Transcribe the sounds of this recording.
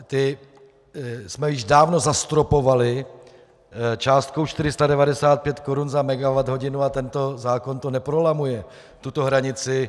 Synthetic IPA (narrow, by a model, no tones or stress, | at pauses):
t̪ɪ | smɛjɪʒdaːvno̞zast̪ɾo̞po̞valɪ | t͡ʃaːst̪̚kowʃt̪ɪɾɪst̪adɛvadɛsaːt̪̚pjɛt̪koɾunzamɛɡavad̪ɦo̞ɟɪnuat̪ɛnt̪o̞zaːko̞nt̪o̞nɛpɾolamujɛ | t̪ut̪o̞ɦɾaɲɪt͡sɪ